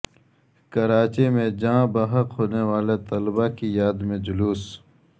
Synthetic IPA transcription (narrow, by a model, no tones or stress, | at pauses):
kɐɾaːt͡ʃemẽd͡ʒãːbɐɦəqɦoːnewaːlet̪ɐlbakijaːd̪mẽd͡ʒʊluːs